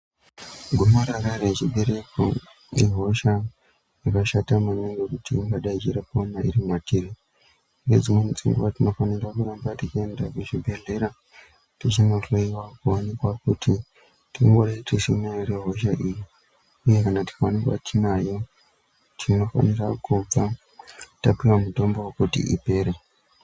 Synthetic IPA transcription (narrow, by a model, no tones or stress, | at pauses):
ɡʱumaɾaɾaɾet͡ʃiɓe̞ɾe̞ko̰ | iɦo̞ʃa | jakaʃatamaneŋɡekutʰiŋɡaɗait͡ʃiɾapomaḭrimwatʰiri | ired͡zimwenit͡sḭŋɡuatino̞fanirakurambatit͡ʃie̞ndakuʐibʱe̞ɮe̞ɾa | tit͡ʃinoreiwakuwanikwakuti | tiiŋɡoɾaiteʃinereɦo̞ʃaʔiji | uje̞kanati̥kawanikwa̰tʰinajo̞ | tʰino̞fa̰nirakʰub͡va | tapiwamuto̞mbowokutḭʔḭpe̞ːɾe